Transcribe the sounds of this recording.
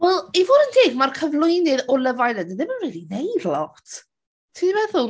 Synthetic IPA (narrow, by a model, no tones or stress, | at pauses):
wɛlˠivoːdənd̥eːɡmarkʰəvlˠʊjnɪðɔləvajlˠəndəðɪbɪnriːlˠinejdlˠɔtʰ | tʰivɛðʊ